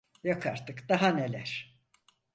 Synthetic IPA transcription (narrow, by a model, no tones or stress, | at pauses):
jakʰaɾt̪ɯkd̪̥aɦane̞lʲæɾ̥